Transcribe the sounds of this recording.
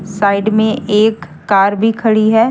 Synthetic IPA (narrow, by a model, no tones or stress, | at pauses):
saːɪɖmẽʔeːkː | aːɾbʱikʰɐɽiɦɛː